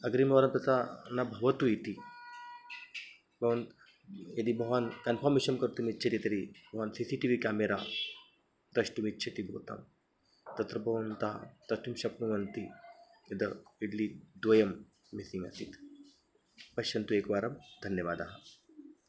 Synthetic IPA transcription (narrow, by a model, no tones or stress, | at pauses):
ɐɡɾimʋaːɾɐmpɐt̪anɐbʱɐʋɐt̪uit̪i | bɐʋɐn | jɐd̪ibɐɦankɐnpʰaɾmeʃɐmkɐɾt̪umitːt͡ʃʰɐt̪it̪ɐɾibɐʋansisiʈiʋikaːmeɾa̰ | d̪ɐʂʈumitːt͡ʃʰɐt̪ibʱo̰ːt̪a̰m | t̪ɐt̪ɾɐbɐʋɐnt̪a̰t̪ɐst̪umʃɐpnuʋɐnt̪i | ɐd̪ɐiɖlid̪ʋɐjɐmː | isiŋɡɐ̰sḭt̪ʰ | pɐʃɐnt̪ueːkʋaːɾɐmd̪ʱɐnjɐʋaːd̪aːɦɐ